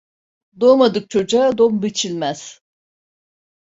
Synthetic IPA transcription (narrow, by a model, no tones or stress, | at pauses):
d̪omad̪ɯk̚t͡ʃʰo̞d͡ʒaad̪ombit͡ʃʰilʲmæz̥